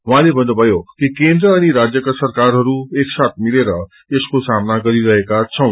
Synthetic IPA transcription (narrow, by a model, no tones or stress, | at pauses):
uɦãlebʱʌnd̪ʌbʱʌjokikend̪ɾʌːniɾad͡zjʌkasʌrkaɾɦʌɾueksat̪̚ʰmileɾʌ | eskosamnaɡʌɾiɾʌɦekat͡sʰʌw̃